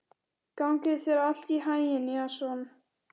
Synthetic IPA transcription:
kawŋkɪðθɛɾal̥t̪iɦaːjjɪniasɔn

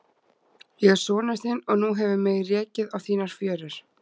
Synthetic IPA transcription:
jɛɣsɔːnast̪ɪnɔɣnuɦɛvɪmeɣrɛːcɪðawθiːnaɾ̥fjœːɾʏɾ̥

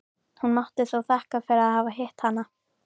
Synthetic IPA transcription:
hunmaht̪ɪθawθahkafɪɾaðhaːvaɦɛht̪hanːa

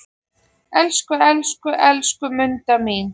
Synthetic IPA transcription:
ɛlskʏɛlskʏʔɛlskʏmʏnt̪amiːn

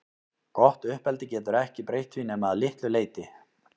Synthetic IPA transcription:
kɔht̪ʏhpɛlt̪ɪcɛːt̪ʏɾɛhcɪpɾejht̪vinɛːmaðlɪht̪lʏleːjt̪ɪ

